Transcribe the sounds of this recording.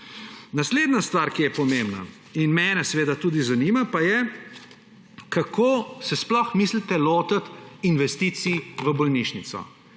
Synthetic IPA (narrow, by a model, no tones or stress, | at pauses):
nasleːd̪nast̪ʋaɾkijɛpɔmembna̰ | inmɛnɛsɛʋeːd̪at̪uːd̪izaniːmapajɛ | kakʰoːsɛsplɔxmiːslit̪ɛloːt̪ət̪inʋɛst̪iːt̪siʋəbɔlniʃnit̪sɔ̰